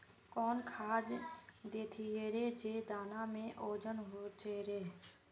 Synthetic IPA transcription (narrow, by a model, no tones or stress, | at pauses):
kɔːnkʰaːd͡ʒd̪eːt̪ʰieɾed͡ʒed̪aːnamẽʔoːd͡ʒənɦot͡ʃeɾeː